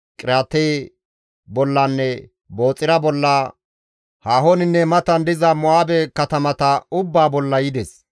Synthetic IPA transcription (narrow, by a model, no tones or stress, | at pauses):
kʼɪɾaːt̪ːɛj | bɔlːanːɛ | bo̞ːt͡sʼːɪɾɐbɔlːa | haːɦonɪnːɛmɐt̪ɐnd̪ɪzɐmʊaːbɛkɐt̪ɐmɐt̪ɐʊbːaːbɔlːɐjɪd̪ɛs